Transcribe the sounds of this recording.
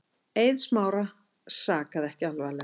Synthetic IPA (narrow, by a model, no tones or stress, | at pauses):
ejðsmaːwɾa | saːkaðɛhcɪalvajlɛ